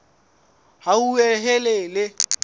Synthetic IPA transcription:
haueɦɛlelɪ

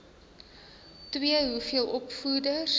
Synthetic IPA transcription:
twiəɦufiəlˠʔɔpfudəs

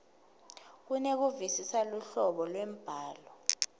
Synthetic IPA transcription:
k̬unek̬uvisisaluɬɔɓɔlwem̩b̥ʱaːlɔ

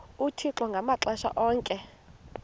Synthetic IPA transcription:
utʰiǁɔŋɡʱamaǁaʃa̰ʔɔːŋkʼɛ

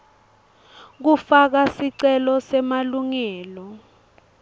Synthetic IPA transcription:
k̬ufak̬asiǀɛlɔsɛmaluŋɛːlɔ

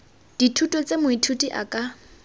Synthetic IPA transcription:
d̥itʰutʼɔt͡sʼemʊitʰutʼiʔa̰kʼa

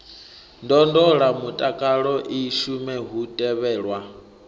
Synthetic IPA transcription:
ndɔndɔɺamutʼakʼaɺɔʔiʃumɛɦutʼɛβɛːɺwa

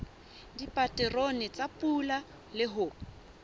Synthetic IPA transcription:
dipʼatʼɛronɪt͡sapʼula | lɪɦʊːp

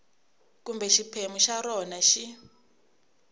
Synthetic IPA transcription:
kumbɛʃipʰemuʃaɾɔnaʃi

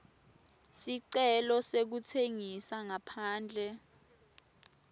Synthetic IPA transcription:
siǀɛlɔsek̬utʰeŋisaŋapʰaːnd͡ɮʱɛ

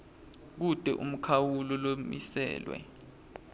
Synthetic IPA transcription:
k̬ud̥ʱʼɛʔum̩kʰawulɔlomḭsɛ̰ːlwɛ̰

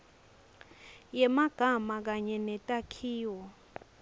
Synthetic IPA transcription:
jɛmaɡ̥ʱamak̬aɲɛnɛtʼakʰiːwɔ

